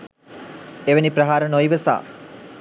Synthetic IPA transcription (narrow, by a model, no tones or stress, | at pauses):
eʋenipɾɐɦaːɾənojʋəsa̰ː